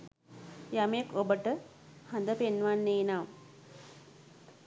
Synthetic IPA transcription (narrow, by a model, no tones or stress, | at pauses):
jamekobəʈə | hand̪əpenʋanːeːnam